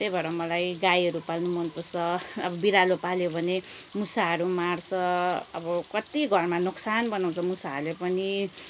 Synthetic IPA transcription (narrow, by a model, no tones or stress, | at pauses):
t̪ebʱʌɾʌmʌlajɡajʌɾupalnumʌnpusʰʌːbʌbiɾalopaljobʱʌnemusaɦʌɾumart͡sʰʌʌbʌkʌt̪iɡʱʌrmanuksanbʌnaw̃t͡sʰʌmusaʌrlepʌni